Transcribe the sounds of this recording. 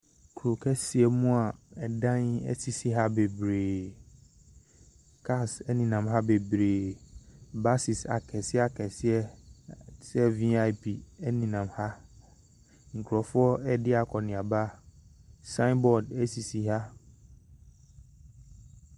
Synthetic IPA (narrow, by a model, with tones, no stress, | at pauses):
kʰu˨ɾo˨kʰɛ˦sɪ˨ɛ˨mũ˦a˨ɛ˨dã˦nɛ̰˦si˨si˨ɦa˦be˨bɾe˨ | kʰa˦˨sɛ˦nĩ˨nã˨mɦa˦be˨bɾe˨ | ba˦si˨sa̰˨kʰɛ˨sɪ˦ɛ˦a˨kʰɛ˨sɪ˦ɛ˦ | sɛ˦vi˦a˦ɪ˦pʰi˨ɛ˦nĩ˨nã˨mha˦ | ŋ̩˨kʰu˨ɾɔ˨fʊ˦ɔ˦ɛ˦dɪ˦a˨kʰɔ˨nɪ̃˨a˨ba˦˨ | sã˦nbɔ˨dɛ˦si˨si˨ɦa˦